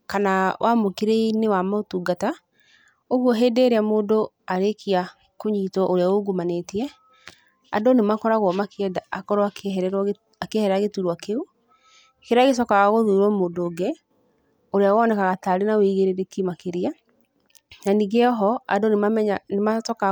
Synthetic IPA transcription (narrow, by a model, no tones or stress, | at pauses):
kanawʔamokeɾeinewamaotuːɡata | oɣwɔɦeːdeɾeamodo | aɾekia | koɲitɔʔoɾeaoɡumanetiɛ | a̰donemakɔɾaɣwɔmakɛdaakɔɾɔaɾɛɾ | akehɛɾɾaɣetuɾwakeu | keɾaɣes̬ɔkaɣaɣoðuɾwɔmoːdoːɡe | oɾeaoɔnɛkaɣataɾenawiɣeɾeɾekimakeɾia | naniɣɛɔɦɔa̰donemamɛɲanemasɔka